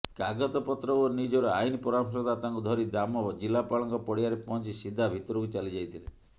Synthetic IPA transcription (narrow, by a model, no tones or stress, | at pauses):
kaɡɔt̪ɔpɔt̪ɾɔonid͡ʒɔɾɔa̰inipɔɾamsɔt̪at̪aŋkud̪ʱɔɾid̪amɔd͡ʒilapaɭɔŋkɔpɔɽiaɾepɔnt͡ʃisid̪ʱabʱit̪ɔɾɔkut͡ʃalid͡ʒajt̪ʰile